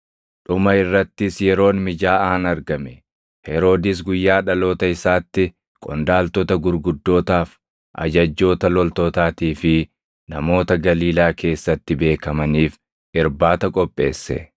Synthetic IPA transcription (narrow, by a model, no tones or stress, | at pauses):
ᶑʊmɐɪrːɐt̪ːɪsjɛɾo̞ːnmɪd͡ʒaːaːɐnɐɾɡɐmɛ | hɛɾo̞ːd̪ɪs̬ɡʊjːaːᶑɐlo̞ːt̪ɐɪsaːt̪ːɪ | kʼɔnd̪aːlt̪ɔt̪ɐɡʊɾɡʊd̪ːo̞ːt̪aːf | ʔɐ̰d͡ʒɐd͡ʒːo̞ːt̪ɐlɔlt̪oːt̪aːt̪iːfɪ | nɐmo̞ːt̪ɐɡɐliːlaːkʰe̞ːsːɐt̪ːɪbe̞ːkɐmɐniːf | ɪɾbaːt̪ɐkʼɔpʼːe̞ːsːɛ̰